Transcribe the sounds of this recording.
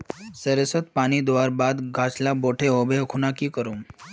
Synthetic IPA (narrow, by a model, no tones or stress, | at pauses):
səɾesət̪paɽ̃id̪ʋaɾbad̪ɡʱaslaboʈʰeɦobekʰunakiːkəɾuːm